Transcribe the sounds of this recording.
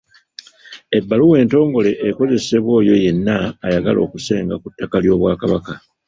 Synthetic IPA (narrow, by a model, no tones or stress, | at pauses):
e̞bːaluwe̞ːnto̞ːŋɡo̞le̞ʔːko̞ze̞se̞βwo̞ːjo̞je̞nːaːjaɡalo̞̰ːkuse̞ːŋɡakutːakaljo̞ːβwaːkaβaka